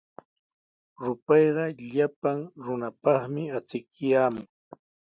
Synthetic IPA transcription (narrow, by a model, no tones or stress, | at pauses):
ɾʊpɑjɢɑʎapaŋɾʊnapɑχmɪat͡sɪkjaːmʊŋ